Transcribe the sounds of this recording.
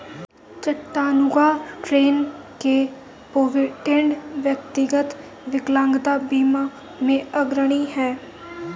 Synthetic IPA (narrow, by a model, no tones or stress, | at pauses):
t͡ʃəʈːaːnʊɡaːʈɾeːnkeː | poːʋɪʈɪ̃ɳɖʋjək̚t̪ɪɡət̪ | ʋɪklãːŋɡd̪aːbiːmaː | mẽːəɡɾəɽ̃iːhɛː